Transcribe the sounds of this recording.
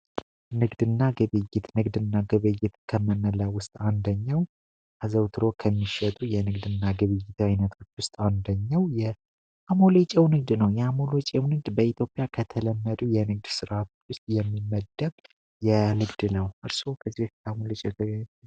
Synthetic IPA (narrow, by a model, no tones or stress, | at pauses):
nɨɡd̪ɨnːaɡɨβɨjːɪt̪nɨɡd̪ɨnːaɡɨβɨjɪt̪kʰəmənːəlawːʊst̪ʼand̪əɲːaw | ʔazəwt̪ʰɨɾo̞kʰəmːiʃɛt̪ʼujɛnɨɡd̪ɨnːaɡɨβɨjːɪt̪ajnət̪ʰo̞t͡ʃːwʊst̪ʼand̪əɲːawjɛ | ʔamo̞let͡ʃʼɛwnɨɡ̚d̪nəwjɛamo̞lot͡ʃʼɛwnɨɡ̚d̪bəit̪ʰjo̞pʼjakʰət̪ʰələmːəd̪ujɛnɨɡ̚d̪sɨɾat̪ʰo̞̥t͡ʃːwʊst̪ʼjɛmːimːəd̪ːə | jɛnɨɡd̪nəwʔɨɾsokʰəzːihkamuolɪt͡ʃʼɛ